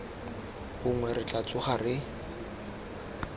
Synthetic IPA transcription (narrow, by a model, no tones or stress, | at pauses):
bʊŋwɛrɪt͡ɬʼat͡sʼʊχarɪ